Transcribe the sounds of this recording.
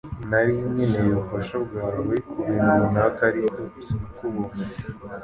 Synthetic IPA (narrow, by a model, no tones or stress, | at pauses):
naɾimɲinejoβufaʃobɡaːwekuβinunakaɾitosiukuβo